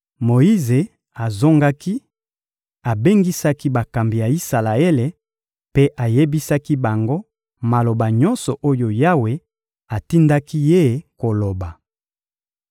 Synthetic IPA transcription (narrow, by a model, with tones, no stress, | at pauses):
mo˨i˦ze˨ | a˨zo˦ŋɡa˦ki˦ | a˨be˦ŋɡi˦sa˦ki˦ba˨ka˨mbi˨ja˨i˦sa˨la˨e˦le˨ | pe˦ʔa˨je˦bi˦sa˦ki˦ba˨ŋɡo˦ | ma˨lo˨ba˨ɲɔ˦nsɔ˨ʔo˦jo˨ja˦we˨ | a˨ti˦nda˦ki˦je˦˨ko˨lo˨ba˨